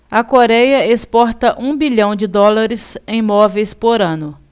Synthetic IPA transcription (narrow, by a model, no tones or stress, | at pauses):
ɐkoɾɛjɐespɔɾt̪ɐʔũbiʎɐ̃w̃d͡ʒɪd̪ɔlaɾɪzẽj̃mɔvejspoɾɐ̃nʊ